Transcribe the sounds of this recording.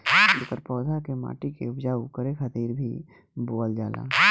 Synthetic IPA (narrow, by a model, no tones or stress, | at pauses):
lkəɾpɔːd̪ʱakema̰ːʈikeʊpd͡ʒaːukəɾexət̪iːɾbʱi | boːəld͡ʒaːla̰ː